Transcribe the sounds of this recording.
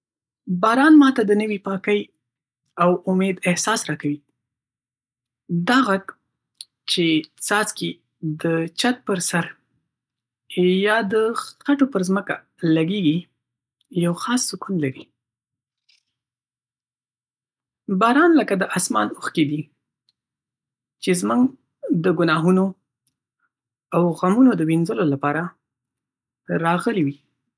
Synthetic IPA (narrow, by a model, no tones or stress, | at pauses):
bɑɾɑnmɑt̪ad̪ənəwipɑkəj | awʊmed̪ɪhsɑsɾɑkawi | d̪ɑɣak | t͡ʃet͡sɑzki | d̪ət͡ʃat̪̚pəɾsaɾ | jɑd̪əxaʈopəɾzməka | laɡeɡi | jawxɑsːʊkunlaɾi | bɑɾɑnləkad̪əʔɑsmɑ̰nuxked̪i | t͡ʃezmuŋɡ | d̪əɡʊnɑɦuno | awɣamunod̪əwinzəlolapɑɾa | ɾɑɣəliwi